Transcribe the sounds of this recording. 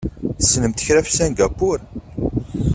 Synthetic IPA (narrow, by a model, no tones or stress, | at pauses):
θəsːnəmt̪ə̥çɾæfsæŋɡapʊɾ